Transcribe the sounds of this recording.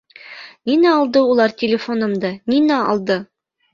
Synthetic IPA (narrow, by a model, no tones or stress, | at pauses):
ninæɒlˠd̪ɤulˠɑɾtʲɪlʲɪfonɤ̆md̪ɤninæɒ̰lˠd̪ɤ